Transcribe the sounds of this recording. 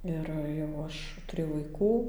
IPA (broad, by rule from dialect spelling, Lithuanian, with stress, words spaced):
ˈɪr jɛʊ ˈɐʃ tʊˈrʲeːjɛʊ ʋɐɪˈkuː